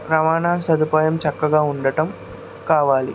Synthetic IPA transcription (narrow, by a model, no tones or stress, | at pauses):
ɾɐmaːnaːsɐd̪upaːjɐmt͡ʃɐkːɐɡaːuɳɖɐʈɐm | kaːʋaːlḭ